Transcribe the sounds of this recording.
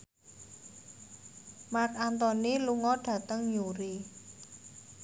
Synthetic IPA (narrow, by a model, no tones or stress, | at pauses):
mak̚ant̪ɔniluŋɔɖ̥ä̤t̪əŋjuɾi